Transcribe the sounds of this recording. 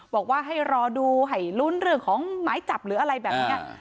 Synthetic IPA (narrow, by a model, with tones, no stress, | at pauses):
bɔː˨˩k̚waː˥˩ɦa˥˩jɾɔː˧duː˧ɦa˥˩jlu˥˩nɾɯ˥˩əŋkʰɔː˨˦ŋmaː˨˦jt͡ɕa˨˩p̚ɾɯː˩˦ʔa˧ɾa˧jbɛː˨˩p̚niː˦˥ɐʔ